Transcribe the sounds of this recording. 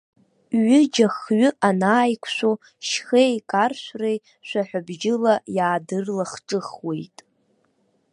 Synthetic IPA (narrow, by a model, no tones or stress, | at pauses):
ɥɪd͡ʒaχɥʏʔanaːjkʷʰʃʷᶣo | ʃχejkʼarʃʷrej | ʃʷᶣaħʷᶣʊbd͡ʒɪlajaːdɨrlaχʈ͡ʂʼɨχwe̞jtʼ